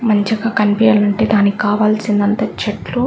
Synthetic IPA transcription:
mɐɲt͡ʃɐkaːkɐnipijɐlɐɳʈeːd̪aːnikaːʋaːlsind̪ɐnt̪ɐt͡ʃɐʈlu

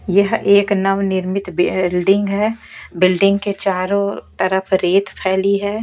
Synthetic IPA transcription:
jɐɦeːknɐʋnɪɾmɪt̪blɖɪ̃ŋɡɦɛːbɪlɖɪ̃ŋɡket͡ʃaːɾõt̪ɐɾəfʰɾeːt̪pʰɛːliɦɛː

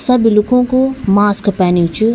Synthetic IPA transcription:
sɐbilukʰõːkumaːskpɛːnit͡ʃu

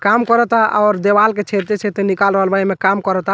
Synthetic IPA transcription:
kamkəɾət̪aʔa̰ɔɾd̪ebalket͡ʃʰet̪et͡ʃʰet̪enikalɾəɦəlbaemekamkəɾət̪a

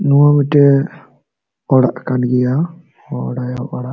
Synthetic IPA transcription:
nuwamiʈɛ | ɔɽaʔkanɡɛja | ɔɔɽajawɔɽa

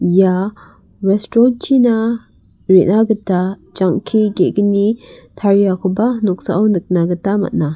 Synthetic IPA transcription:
ja | ɾɛstɾɔnt͡ʃina | ɾeʔnaɡətad͡ʒaŋkʰiɡeɡənitʰaɾijakʰubanɔksa̰ʔawnɨk̚naɡətama̰t̚na

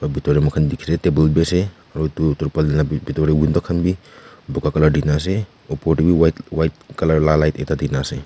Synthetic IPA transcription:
pabitɔɾemakʰandikʰi̥setebelbese | aɾɔjtutɔɾpalinabitɔɾewindɔkʰanbibukakalaɾdinas̬e | ɔpɔɾtibiwawajt̚kalaɾlalajtetadinase

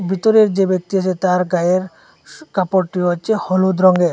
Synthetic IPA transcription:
bʱit̪ɔɾeɾd͡ʒebek̚t̪iasʰet̪aɾɡajeɾ | kapoɾʈːiɔt͡ʃʰehɔlud̪ɾɔŋɡeɾ

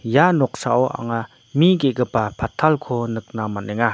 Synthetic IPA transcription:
janɔk̚saʔɔʔa̰ŋa | miɡeɡəpapʰat̪ʰːalkʰɔnɯk̚namanɛŋa

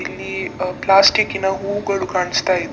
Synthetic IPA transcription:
ilːiplasʈikinaɦuɡəɽukaɳst̪ai

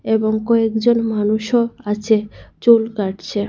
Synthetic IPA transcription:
eboŋkɔekd͡ʑonmanuʃoat͡ɕʰet͡ɕulkaʈt͡ɕʰe

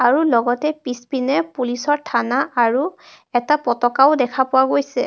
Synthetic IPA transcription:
aɹulɔɡɔtɛpispinɛpulisɔɹtʰanaʔaɹu | ɛtapɔtɔkaʊdɛkʰapʊwaɡojsɛ̰

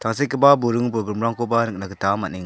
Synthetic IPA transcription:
tʰaŋsekʰːɯbaboɾɯŋpɾɔɡɾɯmɾaŋkobanɯk̚naɡɯtamaniŋ

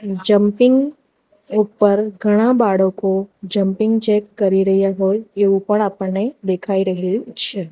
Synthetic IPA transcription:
d͡ʒɐ̃mpɪ̃ŋɡ | uːpəɾɡʱɐɽ̃abaːɽõkod͡ʒɐ̃mpɪ̃ŋɡt͡ʃɛːkːɐɾiɾɐɦijaɦoːjeupəɽ̃apned̪eːkʰaːiɾɐɦit͡ʃʰɛ

